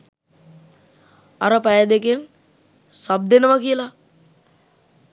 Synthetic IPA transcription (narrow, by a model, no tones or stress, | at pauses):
aɾəpajad̪ekeŋ | sab̚d̪enəʋakijəla